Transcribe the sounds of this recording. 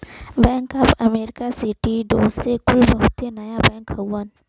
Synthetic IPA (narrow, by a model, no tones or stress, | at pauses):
bɛ̃ːŋkəpɐmeːɾɪkasɪʈiɖoːzsekʊlbɐɦʊt̪enɐjabɛ̃ːŋkɦəwːən